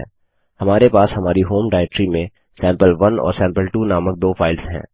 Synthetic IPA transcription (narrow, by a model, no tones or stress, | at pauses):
hɐmaːɾepaːshɐmaːɾiɦoːmɖaːɛk̚ʈɾimẽ | sɛ̃ːmpəlʋɐnɔ̰ːɾsɛ̃ːmpəlʈuːnaːmək̚d̪oːfʰaːɪlsɦɛ̰̃ː